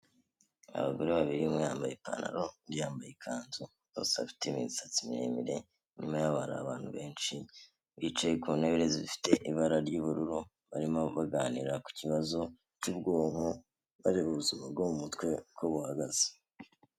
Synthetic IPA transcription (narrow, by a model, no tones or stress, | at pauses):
a̰βa̰ɡo̞ɾeβaβiɾimŋejaːmbajepa̰na̰ɾo̞ɾijaːmbajekʰaːnzu | ɡo̰ːsea̰fi̥temḭzisat͡simiɾḛmiɾe̞ | ɲimajaβaɾa̰βaːnhuβe̞ːnt͡ʃi | βit͡ʃajekune̞βeɾeziifi̥te̞ʔiβaɾaɾɟuβuɾuɾu | βaɾimo̞βaɡaːniɾaku̥ciβazo̞ | t͡ʃuːb̚ɡoːŋ̥o | βaɾeβuβuzuβabɡomumutkwe̞koβuhaɡaz̥e̥